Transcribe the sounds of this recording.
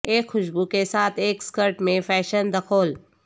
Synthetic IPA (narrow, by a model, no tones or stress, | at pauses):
eːkxʊʃbukesaːt̪ʰeːkskəɾʈmẽfɛːʃənd̪ɐkʰoːl